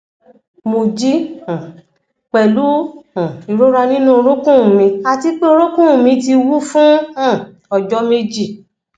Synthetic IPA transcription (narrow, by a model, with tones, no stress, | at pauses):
mo˨d͡ʒĩ˦˨ | k͡pɛ˨lu˨˦ã˨i˨ɾo˦ɾa˧nĩ˦nũ˦o˧ɾo˦kũ˦˨mĩ˧a˧ti˧k͡pe˦o˧ɾo˦kũ˦˨mĩ˧ti˧wu˦fũ˦ã˦˨ | ɔ˨d͡ʒɔ˦me˧d͡ʒi˦˨